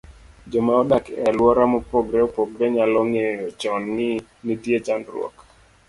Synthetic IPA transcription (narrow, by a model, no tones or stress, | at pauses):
d͡ʒɔmaɔdakɛlwɔɾamɔpɔɡɾɛopɔɡɾɛɲalɔŋejɔt͡ʃɔnŋɪ | nitjet͡ʃandrwɔ̰k